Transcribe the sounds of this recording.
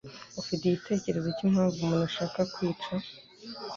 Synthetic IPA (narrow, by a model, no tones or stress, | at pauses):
ufitijite̞ːce̞ɾe̞zecim̥haːɱvumunaʃaːkakwiːt͡ʃa